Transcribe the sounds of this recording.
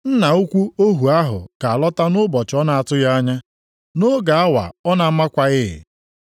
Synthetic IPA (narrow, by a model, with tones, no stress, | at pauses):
n̩˦na˨u˦kʷu˦o˦ɦu˨a˦ɦʊ̰˨ka˨a˨lɔ˦ta˦nʊ˦bɔ˨t͡ʃɔ˦na˨a˨tʊ˦ja˦ɲa˦ | no˦ɡa˨a˦wa̰˨ɔ˦na˨m̩˦ma˦kʷa˨ɣɪ˦ɪ̰˨